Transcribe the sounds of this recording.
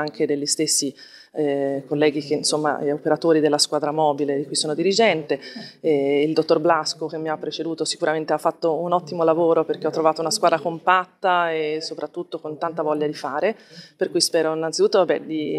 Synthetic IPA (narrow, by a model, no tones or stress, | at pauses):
aŋkʰed̪eʎːist̪esːi | kolːɛːɡikensomːa̰ʎiopeɾat̪oːɾid̪elːaskwaːd̪ɾamɔːbiled̪ikuijsoːnod̪iɾid͡ʒɛnt̪eɛild̪ot̪ːorblaskok̟emːiapːɾet͡ʃed̪uːt̪osi̥kuɾament̪eafːat̪ːounɔt̪ːimolavoːɾoperk̟eɔt̪ːɾovaːt̪ounaskwaːd̪ɾakompat̪ːaesːopɾat̪ːut̪ːokont̪ant̪avɔʎːad̪ifaːɾeperkujspɛːɾoinːant̪sit̪ut̪ːovabɛ̰d̪i